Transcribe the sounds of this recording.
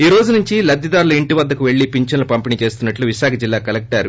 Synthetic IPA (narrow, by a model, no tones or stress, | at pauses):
iːɾoːd͡ʒunuɲt͡ʃilɐd̪ʱːjɐd̪aːɾluiɳʈiʋɐd̪ːɐkuʋe̞ɭːipiɲt͡ʃɐnɐlupɐmpinit͡ʃe̞ːst̪unːɐʈluʋiʃaːkʰɐd͡ʒilːaːkɐlek̚ʈɐɾ